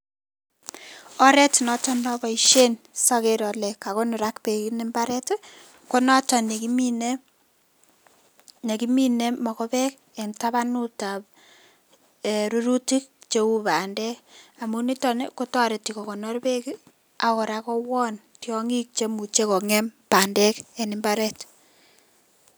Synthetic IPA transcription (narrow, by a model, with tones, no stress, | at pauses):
ɔ˦ɾɛ˦ti˨nɔ˦tɔ˦nɔ˦bɔ˨iʃe˦n | sɔ˦keɾɔ˨lɛ˨ka˨kɔ˦nʊ˨ɾakpe˨kine˦mba˦ɾɛ˦t | ko˦nɔ˦tɔ˨ne˨kimine˦ | ne˨ki˦mi˦ne˦mɔ˨kɔ˦pɛ˦k | e˨nta˦βa˦nu˦ta˨p̚ | e˨ɾu˦ɾu˦ti˦k̚t͡ʃe˦u˦ba˨ndɛ˦ka˨muni˦tɔnḛko˦tɔ˦ɾe˨ti˨kɔ˨kɔ˨nɔ˦ɾpe˦ki | a˨kɔ˨ɾa˦kɔ˦wɔ˦n | tjɔŋi˦k̚t͡ʃe˦mu˨t͡ʃe˦kɔ˨ŋe˦mpa˨ndɛ˦ke˨nɪmbaɾɛ˦t